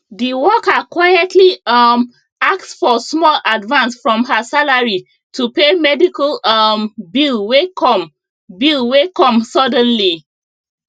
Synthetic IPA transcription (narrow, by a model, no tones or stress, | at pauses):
diwɔkəkwajɛtʰliʌm | ak̚tsfɔsmɔladvãnsfɹɔ̃mɦəsalaɹi | tʰupemɛdikalʌmbilwekʰɔ̃m | bilwekɔ̃msɔdə̃nli